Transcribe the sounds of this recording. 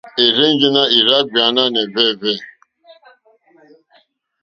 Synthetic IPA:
e˨ɾe˦n˦d͡ʒu˦na˦i˨ɾa˦k̚ɡ͡ba˨˦na˦ne˨vɛ˦˨vɛ˦˨

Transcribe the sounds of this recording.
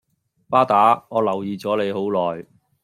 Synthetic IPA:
paː˥t̪aː˨˥ŋɔː˨˧lɐ˨˩wjiː˨t͡sɔː˨˥le˨˧jho˨˥wlɔː˨˩j

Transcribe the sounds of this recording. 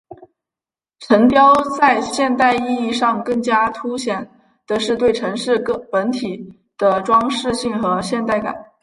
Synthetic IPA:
ʈ͡ʂʰə˧˥ŋpjɑ˥ʊt͡sa˥˧ɪɕjɛ˥˧nt̪a˥˧ɪi˥˧i˥˧ʂɑ˥˧ŋkɤ˥˩ŋt͡ɕja˥t̪ʰu˥ɕjɛ˨˩˦n | t̪ə˧ʂɻ̩˥˧t̪we˥˩ɪʈ͡ʂʰɤ˧˥ŋʂɻ̩˥˧kpə˧˥nt̪ʰi˨˩ | d̪̥ə˦ʈ͡ʂwɑ˥ŋʂɻ̩˥˧ɕi˥˩ŋxɤ˧˥ɕjɛ˥˧nt̪a˥˩ɪka̰˨˩˦n

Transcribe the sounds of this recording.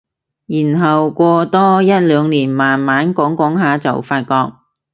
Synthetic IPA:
jiː˨˩nɦɐ˨wkʷɔː˧t̪ɔː˥jɐ˥t̚lœː˨˧ŋliː˨˩nmaː˨˩nmaː˨˥nkɔː˨˥ŋkɔː˨˥ŋɦaː˨˧t͡sɐ̰˨wfaː˧t̚kɔː˧k̚

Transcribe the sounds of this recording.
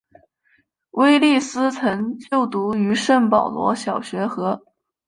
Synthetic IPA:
we˥ɪli˥˩sɹ̩˥t͡sʰɤ˧˥nt͡ɕjo˥˩ʊt̪u˧˥y˧˥ʂə˥˩npɑ˨˩ʊlwɔ̰˧˥ɕjɑ˨˩ʊɕɥɛ˧˥xɤ˧˥

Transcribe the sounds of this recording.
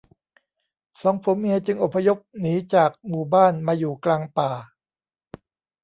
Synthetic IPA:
sɔː˩˦ŋpʰo˨˩˦mmi˧ɐt͡ɕɯ˧ŋʔo˨˩pʰːa˧jo˦˥p̚niː˩˦t͡ɕaː˨˩k̚muː˨˩baː˥˩nmaː˧juː˨˩klaː˧ŋpaː˨˩

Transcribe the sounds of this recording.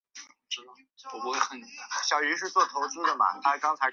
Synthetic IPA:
ʈ͡ʂɻ̩˥˧ | wɔ˨˩pu˥˧˥ɕjɑ˨˩ʊy˧˥ʂɻ̩˥˧t͡swɔ˥˩t̪ʰo˧˥ʊt͡ɕʰi˥d̪ə˨mɐ̰˩t̪a˧˥kɑ˥ŋt͡sʰa˧˥ɪ

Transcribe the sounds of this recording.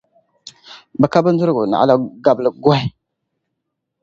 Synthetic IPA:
bə˨ka˦bə˦n˦d͡zu˦ɾɡu˨na̰˨a̰˦la˦ɡa˨blə˨ɡwa˦

